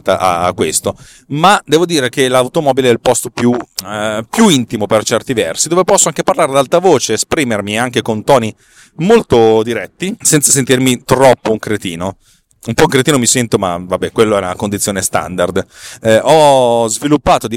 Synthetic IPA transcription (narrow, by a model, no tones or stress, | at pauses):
t̪a̰ʔa̰kːwest̪o | mad̪ɛːvod̪iːɾek̟elawt̪omɔːbileɛlpɔst̪opju | pjuint̪imopert͡ʃɛrt̪ivɛrsid̪oːvepɔsːoaŋkeparlaːɾed̪alt̪avoːt͡ʃeːspɾiːmermiaŋk̟ekont̪ɔːni | molt̪od̪iɾɛt̪ːisɛnt̪sasent̪irmit̪ɾɔpːouŋkɾet̪iːno | umpɔuŋkɾet̪iːnomisɛnt̪oma̰vabːɛkwelːoɛnakond̪it̪sːjoːnest̪a̰nd̪ard̪ | ɔzvilupːaːt̪od̪i